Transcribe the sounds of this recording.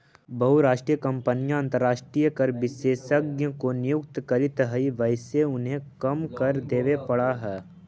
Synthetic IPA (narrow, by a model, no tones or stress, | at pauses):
bɐɦuɾaːʃʈɾijəkɐ̃mpənijãɐ̃nt̪əɾːaːʃʈɾijəkəɾʋɪʃeːʃəɡjə̃konɪjʊkt̪kɐɾɪt̪ɦəiʋəɪseʊnɦẽkɐmkɐɾd̪eːʋepɐɽaɦɛː